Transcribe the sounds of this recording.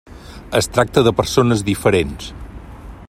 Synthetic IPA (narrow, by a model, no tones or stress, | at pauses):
əst̪ɾak̚t̪əðəpəɾsonəzðifəɾens